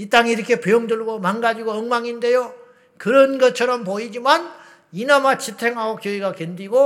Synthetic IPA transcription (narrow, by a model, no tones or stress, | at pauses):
it͈aŋiiɾʌkʰe̞pejoŋdɯɭɡomanɡad͡ʑiɡoʌŋmaŋinde̞jo | kɯɾʌnɡʌt͡ɕʰʌɾʌmpoid͡ʑiman | inamat͡ɕitʰe̞ŋɦaɡokjoiɡakʌndiɡo